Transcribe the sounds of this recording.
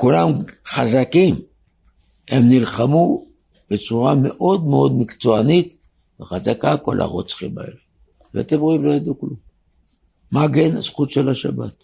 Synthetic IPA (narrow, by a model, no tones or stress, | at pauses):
kulamχazakim | hemnilχamu | be̞t͡suʁame̞ʔo̞d̪meo̞d̪mikt͡so̞anit̪ | veχazakako̞lʔa̰ʁot͡sχiba̰ḛl | vea̰t̪emʁoimlo̞jad̪uklum | maɡenz̥χut̪ʃelaʃaba̰t̪